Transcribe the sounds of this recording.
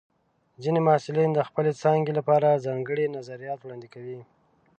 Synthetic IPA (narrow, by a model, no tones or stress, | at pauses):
zinemɑsɪlind̪əxpəlet͡sɑŋɡelapɑɾazɑŋɡəɽinazaɾijɑt̪wɽɑnd̪ikawi